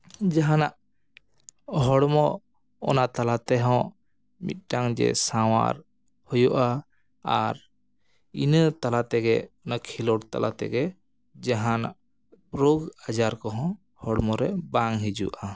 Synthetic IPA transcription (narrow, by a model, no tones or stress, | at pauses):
d͡ʒaɦanaʔ | ɦɔɽmɔ | ɔ̰nat̪alat̪ɛɦɔ̃ | mḭt̪̚ˀɖaŋd͡ʒɛ̰sawa̰ɾ | hujuʔa | aɾ | inət̪alat̪ɛɡɛɔnakʰilɔɽt̪a̰lʔa̰t̪ɛ̰ɡɛ | d͡ʒaɦana̰ʔ | ɾoɡad͡ʒaɾkɔɦɔ̃ | hɔɽmɔɾɛbaŋɦid͡ʒṵʔa